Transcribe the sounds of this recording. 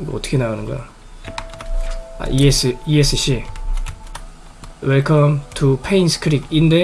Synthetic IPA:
iɡeʌ̰t͈ʌ̥kʰenaɣanɯŋɡʌjo̰ | a̰ʔiesɯiesʰɯɕi | weɭkʰʌmtʰupʰejnskʰɾik̚inde

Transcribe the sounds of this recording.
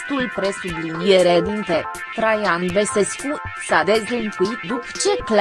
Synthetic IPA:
t̪ulpɾesublinijeɾed̪int̪e | t̪ɾajanvesesku | sad̪ezlənfuit̪d̪upə̥t͡ʃekl

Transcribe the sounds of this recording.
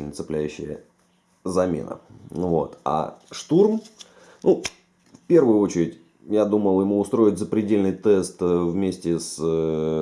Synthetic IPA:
nʲət̪sɨplʲæjʉɕːɪ̰jə̰ | zɐmʲḛnə̰vo̞̰t̪a̰ʂt̪urm | nu | fpʲe̞rvʊjʊot͡ɕɪɾʲɪtʲ | jad̪uməlˠjɪmuʊst̪ɾo̞ɪt̚ʲzəpɾʲɪdʲelʲnɨjt̪ɛst̪vmʲesʲtʲɪs

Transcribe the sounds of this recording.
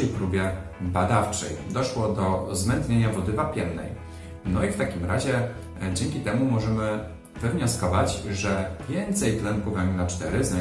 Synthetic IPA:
ɛjpɾubʲjɛbad̪aft͡ʂɛ̰jd̪ɔʂwɔd̪ɔzmɛnt̪ɲeɲavɔd̪ɘvapʲjɛmnɛ̰j | nɔift̪akʲimɾaʑɛ | d͡ʑɛŋkʲit̪ɛmumɔʐɛmɘ | vɘvɲɔskɔvat͡ɕʐɛvʲjɛnt̪sɛjt̪lɛŋkuvaminat͡ʂt̪ɛɾɘza

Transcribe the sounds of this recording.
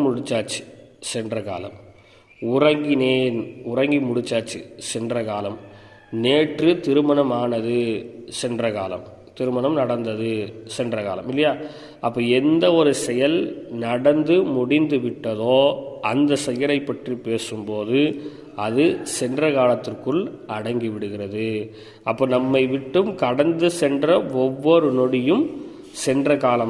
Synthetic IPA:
mʊɽɪt͡ʃːaːʈt͡ʃi̥sɛndrɐka̰ːlɐ̰m | ʊrɐŋɡɪneːnʊrɐŋɡimʊɽɪt͡ʃːaːʈt͡ʃːisɛndrɐkaːlɐm | neːʈrɯt̪ɪɾɯmɐɳɐmaːnɐðɯsɛndrɐka̰ːlɐ̰m | t̪ɪɾɯmɐnɐmnɐɽɐnd̪ɐðɯsɛndrɐka̰ːlɐ̰mɪlːɐjaː | ʔɐpːoːɛnd̪ɐɔɾɯsɛjɐlnɐɽɐnd̪ɯmʊɽɪnd̪ɯʋɪʈːɐðoːɐnd̪ɐsɛjɐɾɐɪpːɐʈripeːsɯmpoːðɯ | ɐðɯsɛndrɐkaːlɐt̪ːɪrkɯɭɐɽɐŋɡiʋɪɽɯɣɪrɐðɯ | ɐpːoːnɐmːɐɪʋɪʈːɯmkɐɽɐnd̪ɯsɛndrɐɔʋːɔɾɯnɔɽɪjɯm | sɛndrɐkaːlɐm

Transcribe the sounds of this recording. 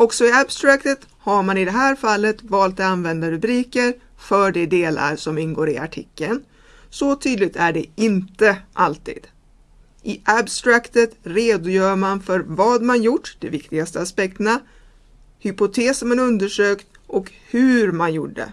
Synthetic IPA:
ɔksɔɪabst̪ɾakt̪ət̪haɾmanɪd̪ɛɦæːɾfalːət̪vɑːlt̪at̪anvɛnd̪aɾɵbɾiːkəɾ | fœɖɛd̪eːla̰ɾsɔmɪnɡoːɾɪa̰ʈʰɪkːən | sɔt̪ʰyːd̪lɪɡ̚t̪ʰæɖɛɪnt̪əʔalt̪ḭːd̪̥ | ʔɪʔabst̪ɾakt̪ət̪ɾeːd̪ʊjœːɾmanfœɾvɑːd̪manjʊʈːd̪ɛvɪkt̪ɪɡast̪əaspɛk̚t̪əna | hʏpʊt̪ʰeːsmanɵnd̪əʂøːkt̪ | ʔɔk | hʉ̟ɾmanjʊɖːɖə̰

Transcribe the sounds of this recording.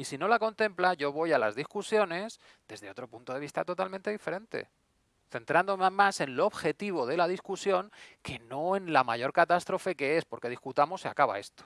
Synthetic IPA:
isino̞lako̞nt̪e̞mplaʝo̞β̞o̞jala̰zðiskusjo̞ne̞s | d̪e̞zðeot̪ɾo̞punt̪o̞ðeist̪at̪o̞t̪alment̪eife̞ɾẽ̞nt̪e̞̰ | θe̞nt̪ɾand̪o̞memase̞nloːβxe̞t̪iβ̞o̞ðe̞laðiskusjo̞ŋke̞no̞e̞nlamaʝo̞ɾkat̪ast̪ɾo̞fe̞ke̞e̞spo̞ɾke̞ð̞iskut̪amosːea̰kaβa̰e̞st̪o̥

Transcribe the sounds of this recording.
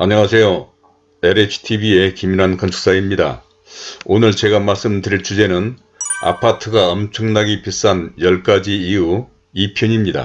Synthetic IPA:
aɲʌŋasʰe̞jo | eɾet͡ɕʰɯ̥tʰibie̞kiminɦankʌnt͡ɕʰu̥k̚s͈aimɲida̰ | onɯɭt͡ɕe̞ɡamaɭs͈ɯmdɯɾiɭt͡ɕud͡ʑe̞nɯn | a̰pʰatʰɯɡaʌmt͡ɕʰʌŋnaɡipis͈anjʌɭk͈ad͡ʑiːu | ipʰjʌɲimɲida̰

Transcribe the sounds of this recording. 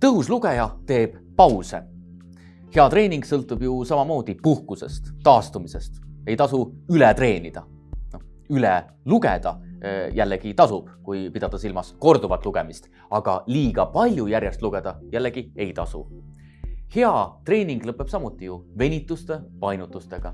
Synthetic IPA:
t̪ɤɦusluɡejɑt̪e̞ːb̥ | pɑwsḛ | he̞ɑt̪ɾe̞ːnʲiŋɡ̥sɤlt̪ːˑub̥jusɑmɑmo̞ːd̪̥ipuhkuse̞̰st̪ːɑːst̪umise̞st̪e̞jt̪ɑsuylɛt̪re̞ːnʲid̪̥ɑ | no | ylɛ | luɡḛd̪̥ɑjʔælːeɡ̥it̪ɑsub̥kujpid̪̥ɑd̪̥ɑsilmɑsko̞rd̪̥uvɑt̪ːˑluɡ̥e̞mist̪ | ɑɡ̥ɑliːɡ̥ɑpɑlʲjujæɾjest̪luɡ̥e̞d̪̥ɑjælːeɡ̥ie̞jt̪ɑsṵ | he̞ɑt̪re̞ːniŋɡ̥lɤpˑːe̞b̥sɑmut̪ːˑijuve̞nʲit̪ːˑust̪e̞pɑjnut̪ːˑust̪e̞ɡ̥ɑ

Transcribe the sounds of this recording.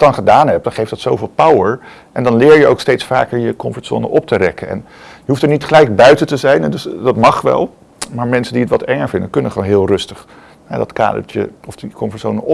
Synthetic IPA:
dɑnχədaːnɦɛp̚d̥ɑnχejfd̥ɑtsowvɪːlˠpawəɹ | ʔɛndɑnlɪːɹjəʔowkstejtsfa̰ːkəɹjəkɔmfətso̰nə̰ʔɔp̚təɾɛ̰kənɛ̰n | jəɦuftəɹnitχəlɛjk̚bœɥtətəzɛjnɛdɵsdɑtmɑχʋɛ̰lˠ | maːɹmɛnsəndiətʋɑtɛŋəɹvɪndəkɵnəχʋonɦɪːlˠrɵstəχ | ɦɛ̰dɑtka̰ːdə̰ɹt͡ʃə̰ɔfdikɔmfəsonə

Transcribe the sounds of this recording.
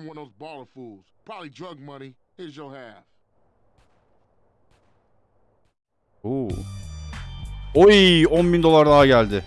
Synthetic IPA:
mwʌ̃noʊzbɑlˠə˞fulˠz̥pʰɹ̥ɑbəblˠidɹʌɡ̚mʌnihɪzjəlˠhæf | u | ojiɔ̃nbind̪o̞lˠaɾd̪aɦaɟælʲd̪ɪ

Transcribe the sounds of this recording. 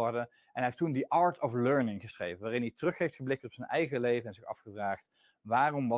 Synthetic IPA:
ɔɹdə | ʔɛnɛftundiʔɑːɹtʰɔfløɹnɪŋχəsrḛjvənʋaːrɪnitərɵχɦejftχəblɪk̚tɔpsənɛjχəlejvəɛnzɪχɑ̰fχəvraːχt | ʋaːrɔmʋɑ

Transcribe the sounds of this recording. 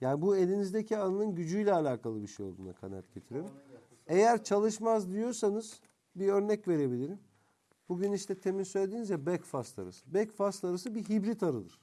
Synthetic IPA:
jaːnibue̞lʲinizd̪ecʰiananˠɯnɟyd͡ʒyjlʲɛːlʲaːkʰalˠɯbiʃejo̞lˠd̪uːna̰kʰa̰na̰t̪̚ɟ̥e̞t̪ʰiɾeɾym | e̞jæɾt͡ʃʰalˠɯʃmazd̪ijo̞ɾsanɯz̥ | biø̞ɾnɛcve̞ɾe̞bilʲiɾim | buɟyniʃt̪ʰɛt̪ʰe̞minsøjlʲed̪inizjabɛcfast̪a̰ɾa̰sɯ̥bɛcfast̪aɾasɯbiɦibɾit̪ʰaɾɯd̪ɯɾ̥

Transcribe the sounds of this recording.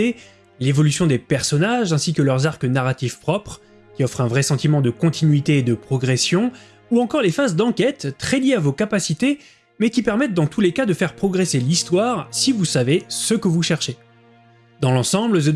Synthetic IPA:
e | levɔlysjɔ̃d̪epɛʁsɔnaʒɛ̃sikəlœʁzaʁkənaʁat̪ifpχɔpχ | kʲiɔfχɛ̃vʁɛsɑ̃t̪imɑ̃d̪əkɔ̃t̪ʰinɥit̪eːd̪əpχɔɡʁɛsjɔ̃ | uɑ̃kɔʁlefazd̪ɑ̃kʲɛt̪ːχɛljeavokapasit̪e | mɛkʲipɛʁmɛt̪̚d̪ɑ̃t̪ulekad̪əfɛʁpχɔɡʁeselist̪waʁsivusavesəkəvuʃɛʁʃe | d̪ɑ̃lɑ̃sɑ̃bləzə

